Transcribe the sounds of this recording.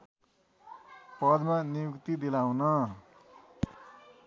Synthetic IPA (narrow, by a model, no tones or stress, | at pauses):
pʌd̪manijukt̪id̪ilaũnʌ